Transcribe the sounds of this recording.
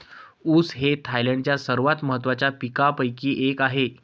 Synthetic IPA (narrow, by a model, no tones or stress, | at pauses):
uːsɦet̪ʰajləɳɖt͡ɕjasəɾʋat̪məɦət̪̬ːʋat͡ɕjapikapəjkiːʔekaɦe